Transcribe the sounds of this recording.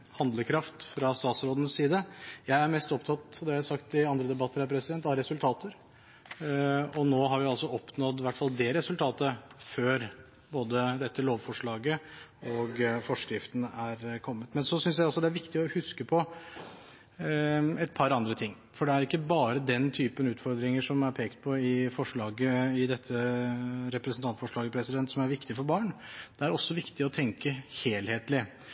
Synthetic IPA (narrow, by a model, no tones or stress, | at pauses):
hɑnd̪ləkʰɾɑft̪fɾɑst̪ɑːt̪sɾoːd̪ənəssiːd̪əjæɪæɾmɛst̪ɔpt̪ʰɑt̪ːɔd̪ɛsɑkt̪ɪɑnd̪ɾəd̪ɛbɑt̪ːəɾhæɾpʰɾɛsɪd̪ɛnt̪ɑɾɛsʉlt̪ʰɑːt̪ʰəɾ | ɔnoːɦɑɾʋɪɑlsɔɔpnɔd̪ʋæʈːfɑld̪ɛɾɛsʉlt̪ʰɑːt̪əføːɾ | boːd̪əd̪ɛt̪ːəloːʋfɔʂɭɑːɡə | ɔɡfɔʂkɾɪft̪n̩æɾkʰɔmːət̪mɛnsɔsʏnsjæɪɔsɔd̪ɛæɾʋɪkt̪ɪɔhʉskəpʰɔ | ɛt̪̚pʰɑɾɑnd̪ɾət̪ʰɪŋː | fɔɖɛæɾɪkːəbɑːɾəd̪ɛnt̪ʰyːpənʉːt̪fɔɾd̪ɾɪŋəʂɔmæɾpʰeːkt̪̚pʰɔɪfɔʂɭɑːɡəɪd̪ɛt̪ʰːəɾɛpɾɛsnt̪ʰɑnt̪fɔʂɭɑːɡəpʰɾɛsɪd̪ɛnt̪sɔmæɾʋɪkt̪ɪfɔɾbɑːɳd̪̥ɛæɾɔsːɔʋɪkt̪ɪɔt̪ʰɛŋkəheːlheːt̪lɪ